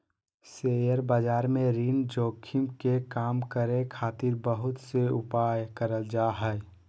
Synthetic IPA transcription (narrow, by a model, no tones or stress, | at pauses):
sejəɾbad͡ʒaːɾmẽɾiːnd͡ʒoːkʰimkekaːmkəɾẽkʰaːt̪iɾbəɦʊt̪seʊpajkəɾəld͡ʒaɦɛj